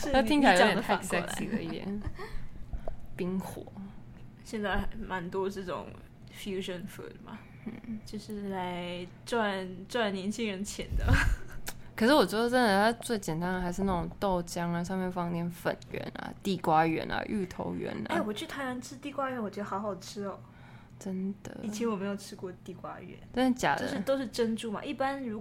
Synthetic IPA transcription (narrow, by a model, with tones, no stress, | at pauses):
t̪ʰi˥ŋt͡ɕʰi˨˧˥a˧˥jo˥˧˥jt̪ʰːsɛ˥ḭ˧˥d̪ə̰˦i˥˩d̪jɛ̰˨˩˦n | pi˥ŋxwɔ̰˨˩˦ | ɕjɛ˥˧nt͡sa˥˩ɪma˧˥nt̪wɔ˥ʈ͡ʂɤ˥˩ʈ͡ʂʊ̰˨˩ŋ | fju˥ʂə˨˩nfṵ˥˩d̪ma̰˨˩ | n̩˥˩t͡ɕjo˥˧ʊʂɻ̩˥˩la˧˥˦ɪ | ʈ͡ʂwa˥˨˩nʈ͡ʂwa˥˩nnjɛ˧˥nt͡ɕʰi˥ŋɻə˧˥nt͡ɕʰjɛ˧˥nd̪ə˧ | kʰʂɻ̩˥˩wɔ˨˩t͡ɕɥɛ˧˥d̪ə˨ʈ͡ʂə˥nd̪ə˨˩t̪ʰa˥t͡swe˥˩ɪt͡ɕjɛ˨˩nt̪a˥nə˩xa˧˥ɪʂɻ̩˥˧na˥˩ʈ͡ʂʊ˨˩ŋt̪o˥˨ʊt͡ɕjɑ˦˥ŋa˨ʂ̬ɑ˥˧ŋmjɛ˥˧nfɑ˥˧ŋt̪jɛ˥˩nfə̰˨˩nɥɛ̰˧˥nɐ̰˨t̪i˥˩kwa˥ɥɛ̰˧˥nɐ̰˨ʔy˥˩t̪ʰo̰˧˥ʊɥɛ̰˧˥n̰˥˦˥wɔ˨˩t͡ɕʰy˥˩t̪ʰa˧˥ɪna˧˥nʈ͡ʂʰɻ̩˥t̪i˥˩kwa˥ɥɛ˧˥nwɔ˨˩t͡ɕɥɛ˧˥d̪ə˧xɑ˧˥xɑ˨˩ʊʈ͡ʂʰɻ̩˥ɔ̰˨˩ | ʈ͡ʂə˦˥nd̪̥ə̰˨i˨t͡ɕʰjɛ˧˥nwɔ˨˩me˧˥ɪjo˨˩ʈ͡ʂʰɻ̩˥kwɔ˥˧t̪i˥˩kwa̰˥ɥɛ̰˧˥˦nʈ͡ʂə˥n̩˥˩t͡ɕja̰˨˩djʊʂɻ̩˥˩t̪o˥ʊʂɻ̩˥˩ʈ͡ʂə˥nʈ͡ʂu˥˩ma̰˨ʔi˥˩pa˦nɻu˧˥